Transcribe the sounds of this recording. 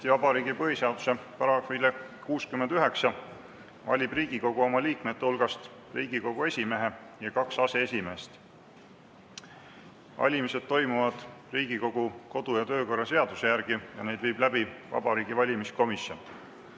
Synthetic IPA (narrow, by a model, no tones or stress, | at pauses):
t̪ivɑbɑɾiːɡipɤɦise̞ɑd̪u̥sepɑɾɑkvile | kuːskymːend̪yɦe̞ksɑ | vɑ̰lʲib̥riːɡ̥iko̞ɡ̥uo̞mɑliːkme̞t̪ːeulɡ̥ɑst̪ | riːɡ̥iko̞ɡ̥ue̞sʲime̞ɦe̞ | jɑkɑksɑse̞esʲime̞ːst̪ | vɑ̰lʲimise̞d̪̥̚t̪ːo̞jmuvɑd̪̥riːɡ̥iko̞ɡ̥uko̞d̪̥ujɑt̪ø̞ːko̞rːɑse̞ɑd̪̥use̞jærɡ̥ijɑne̞jd̪vijb̥læbivɑ̰bɑɾiːɡ̥ivɑlʲimisko̞misjo̞̰n